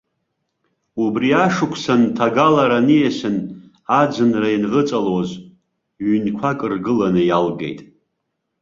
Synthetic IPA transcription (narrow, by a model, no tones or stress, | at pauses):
ubriaʂɨkʷʰsantʰaɡalaɾanijesɨn | ad͡zɨnrainʁət͡sʼaloz | ɥynkʷʰakʼɨrɡɨlanɨjalɡe̞̰jtʼ